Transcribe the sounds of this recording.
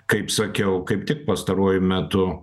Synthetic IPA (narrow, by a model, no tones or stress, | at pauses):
kɐɪpsɐkʲɛʊkɐɪpt̪ʲɪk̚pɐst̪ɐɾuɔjʊmʲæt̪ʊ